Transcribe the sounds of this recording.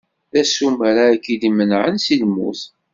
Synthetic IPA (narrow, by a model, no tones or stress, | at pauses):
ðæsumæɾaːkilimənʕənsilmṵθ